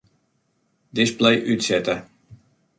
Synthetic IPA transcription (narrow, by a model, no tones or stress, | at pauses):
dɪsblɛjʔytsɛtə